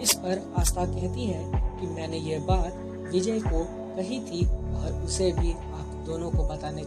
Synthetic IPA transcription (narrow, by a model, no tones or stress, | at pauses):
ɪspɐɾaːst̪ʰakɛɦt̪iɦɛ̃kimɛ̃ːnejebaːt̪ | ʋɪd͡ʒəiko | kɐɦit̪ʰiɔːɾʊsebʱi | aːpd̪oːnõkobɐt̪aːne